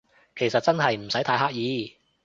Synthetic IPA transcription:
kʰe˨˩jsɐ˨t̚t͡sɐ˥nɦɐ˨jm̩˨˩sɐ˨˥t̪ʰaː˧jɦaː˥k̚jiː˨˧

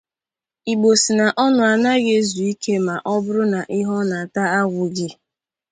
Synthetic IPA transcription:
i˨ɡ͡bo˨si˨na˨ʔɔ˦nʊ˨a˨na˦ɣe˦zu˨i˦ke˦ma˨ʔɔ˦bʊ˦ɾʊ˦na˨ʔɪ˦ɦɔ˦na˨ta˦a˦ɡʷʊ˨ɡɪ˦

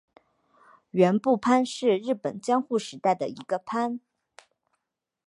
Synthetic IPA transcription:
ɥɛ˧˥npu˥˩pʰa˥nʂɻ̩˥˧ɻɻ̩˥˩pə̰˨˩nt͡ɕjɑ˥ŋxu˥˩ʂɻ̩˧˥t̪a˥˩ɪd̪ə̰˩ḭ˧˥ɡə˧pʰa˥n

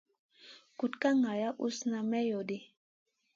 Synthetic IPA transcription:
ku˨tka˦ŋa˨ja˦ʔu˦sna˨mɛ˦jo˨di˦

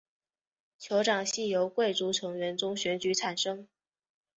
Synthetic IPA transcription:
t͡ɕʰjo˧˥ʊʈ͡ʂɑ˨˩ŋɕi˥˩jo˧˥ʊkwe˥˩ɪʈ͡ʂu˧˥ʈ͡ʂʰɤ˧˥ŋɥɛ˧˥nt͡sʊ˥ŋɕɥɛ˧˥nt͡ɕy˧˥ʈ͡ʂʰa˨˩nʂɤ˥ŋ

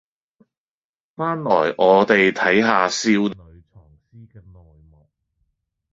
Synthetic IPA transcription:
faː˥nlɔ̰ː˨˩jʔɔː˨˧t̪e˨jt̪ʰɐ˨˥jɦaː˨˧siː˧wɥt͡sʰɔː˨˩ŋsiː˥kɛ˧nɔː˨jmɔː˨k̚

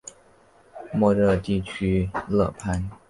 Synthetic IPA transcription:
mɔ˥˧ɾɤ˥˧t̪i˥˩t͡ɕʰy˥lɤ˥˩pʰa˥n

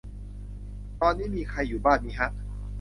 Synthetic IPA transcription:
t̪ɔː˧nːiː˦˥˩miː˧kʰa˧jːuː˨˩baː˥˩nmiː˦˥˩ɦa˦˥˩ʔ̚

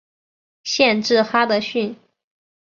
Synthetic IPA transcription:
ɕjɛ˥˧nʈ͡ʂɻ̩˥˩xa˥d̪ə˧ɕy˥˩n

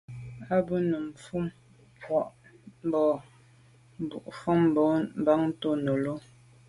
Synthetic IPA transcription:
a˦bə˦nu˨m˨fu˦m | pwɔ˨ʔm˦bɔ˨ | m˨bṵ˨ʔfɔ˦m˦bɔ˨˦m̩˦ba˦ŋ˦to˦no˨lo˦

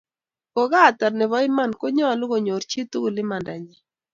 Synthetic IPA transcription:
kɔ˨ɡa˦˨t̪a˨rnɛ˨βɔ˦ɪ˦ma˦˨nko˦ɲɔ˦a˨lʊ˦ɣo˨ɲo˨ɾt͡ʃi˦t̪u˦˨lɪ˦ma˨nda˨ɲi˨

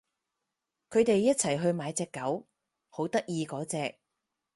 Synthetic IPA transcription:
kʰɵ˨˧ɥt̪e˨jːɐ˥t̚t͡sʰɐ˨˩jɦɵ˧ɥmaː˨˥jt͡sɛː˨˧kːɐ˨˥w | ho˨˥wt̪ɐ˥k̚jiː˧kɔː˨˥t͡sɛː˧k̚

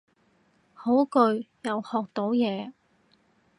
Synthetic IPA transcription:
ho˨˥wkɵ˧ɥjɐ˨whɔː˨k̚t̪o˨˥wjɛː˨˧

